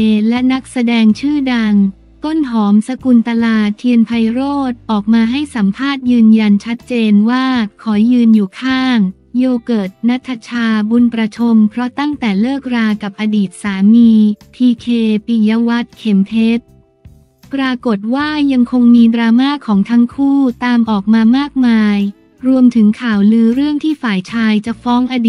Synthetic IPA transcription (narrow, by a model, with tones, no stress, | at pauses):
lɛ˦˥na˦˥k̚sa˧dɛː˧ŋt͡ɕʰɯː˥˩da˧ŋ | t̪o˥˩nɦɔː˩˦msa˧ku˧nt̪a˧laː˧˩t̪ʰi˧ənpʰa˧jɾoː˥˩t̪̚ʔɔː˨˩k̚maː˧ɦa˥˩jsa˩˦mpʰaː˥˩t̪̚jɯː˧nja˧nt͡ɕʰa˦˥t̪̚t͡ɕeː˧nwaː˥˩kʰɔː˩˦jjɯː˧njuː˨˩kʰaː˥˩ŋ | joː˧kɤː˨˩t̪̚na˦˥t̪ʰːa˧t͡ɕʰaː˧bu˧npɾa˧t͡ɕʰo˧mpʰɾɔ˦˥t̪a˥˩ŋt̪ɛː˨˩lɤː˥˩k̚ɾaː˧ka˨˩p̚ʔa˧diː˨˩t̪̚saː˩˦miː˧p̪ʰiː˧kʰeː˧pi˧ja˦˧˥wa˦˥t̪̚kʰe˩˦mpʰe˦˥t̪̚ | pɾaː˧ko˨˩t̪̚waː˥˩ja˧ŋkʰo˧ŋmiː˧dɾaː˧maː˥˩kʰɔː˩˦ŋt̪ʰa˦˥ŋkʰuː˥˩t̪aː˧mʔɔː˨˩k̚maː˧maː˥˩k̚maː˧j | ɾu˧əmt̪ʰɯ˩˦ŋkʰaː˨˩wlɯː˦˥ɾɯ˥˩əŋt̪ʰiː˥˩faː˨˩jt͡ɕʰaː˧jt͡ɕa˨˩fɔː˦˥ŋʔaː˧diː˨